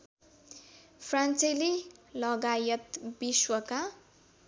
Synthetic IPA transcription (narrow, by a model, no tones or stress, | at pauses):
pʰrant͡sajlilʌɡajʌt̪biswʌka